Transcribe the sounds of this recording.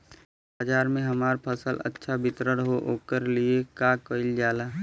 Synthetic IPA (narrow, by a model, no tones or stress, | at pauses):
baːd͡ʒaːɾmẽɦɐmaːɾpʰəsəlɐ̰tːʃʰabɪt̪ɾəɽɦoʔoːkəɾliekakəɪld͡ʒaːlaː